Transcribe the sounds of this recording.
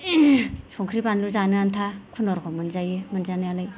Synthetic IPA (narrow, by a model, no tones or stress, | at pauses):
sɔŋkʰɾipanluzanɯantʰakʰunɔɾkʰɔmɯnzajmanzanɯjalaj